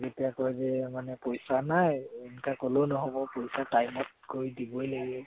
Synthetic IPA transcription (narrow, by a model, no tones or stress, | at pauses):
zetijakɔjzɛmanɛpojsanajɛnkakolownɔɦobɔpojsatajmɔt̚koɹjdibɔjlaɡɛ